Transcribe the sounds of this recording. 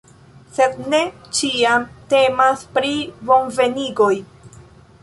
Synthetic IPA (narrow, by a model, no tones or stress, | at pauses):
se̞d̪̚ne̞t͡ʃiamte̞maspɾibo̞nve̞niɡo̞j